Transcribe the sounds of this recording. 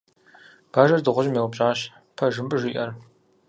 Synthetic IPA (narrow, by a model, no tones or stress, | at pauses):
b̥aːʒɐrdɨʁʷʊʑmeːwpɕʼaːɕ | pʰɐʒɨmbɨʒiːʔɐr